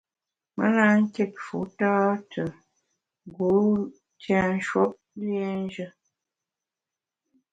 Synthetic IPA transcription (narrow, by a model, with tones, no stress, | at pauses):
mə̰˦la˦ŋ̩˦ke˦˨t̚fṵ˨˦tɔː˦tʰə˨ | ɡu˨˦ | tjã˦n˦ʃwɔ˦p̚ | lje˦n˦d͡ʒə˦